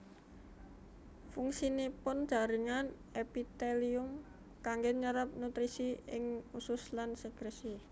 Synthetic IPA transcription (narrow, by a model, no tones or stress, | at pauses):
fuŋsinipʊnd̥ʒ̥a̤ɾɪŋan | epit̪eliʊm | kaŋɡeɲəɾap̚nut̪ɾisiɪŋusʊslansəɡ̥ɾesi